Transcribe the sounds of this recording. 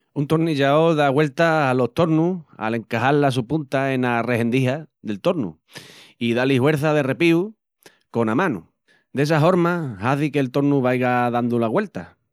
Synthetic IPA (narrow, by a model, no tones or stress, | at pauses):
unt̪oɾniʎaoðaɣwe̞lt̪aːlo̞ht̪o̞ɾnua̰le̞ŋkaɦallas̬upunt̪ae̞nare̞ɦe̞nd̪iɦaðe̞lt̪o̞ɾnṵ | iðalihwe̞ɾθaðe̞re̞piu | ko̞namãnṵ | d̪e̞s̬aɦoɾmahaθikelt̪o̞ɾnuβajɣaðand̪ulaɣwe̞lt̪a